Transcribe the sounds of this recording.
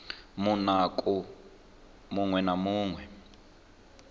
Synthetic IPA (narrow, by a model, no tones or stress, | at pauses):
munakʼu | muŋwɛnamuːŋwɛ